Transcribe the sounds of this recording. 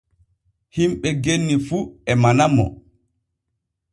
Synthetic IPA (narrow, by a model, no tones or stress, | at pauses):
himɓɛɡenːifuɛmanamːɔ̰